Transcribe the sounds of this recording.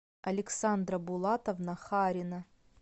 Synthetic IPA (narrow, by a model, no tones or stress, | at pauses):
ɐlʲɪksand̪rɐbulˠat̪ɐvnɐχaɾʲinɐ